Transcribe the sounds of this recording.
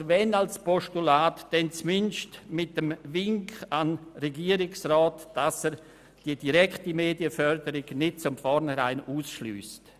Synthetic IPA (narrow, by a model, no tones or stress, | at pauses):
vɛnalspɔʃtulaːtd̥ɛnt͡smɪnʃtmɪt̚dəmvɪŋkanɾeɡiːəɾɪksraːtd̥asɛɾ | d̥iːəd̥iɾɛktimeːdiəfœɾdəɾɪɡnɪt̚t͡sʊmfɔɾnhɛɾaɪnuːsʃly̰ːst